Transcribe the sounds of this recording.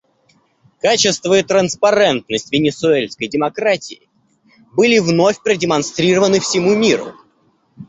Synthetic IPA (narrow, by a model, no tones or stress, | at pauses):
kat͡ɕɪst̪vəɪt̪ɾənspɐɾɛnt̪nəsʲtʲvʲɪnʲɪsʊelʲskəjdʲɪmɐkɾatʲɪɪ̰ | bɨlʲɪvno̞fʲpɾədʲɪmɐnst̪ɾʲiɾəvənɨfsʲɪmumʲiɾʊ̰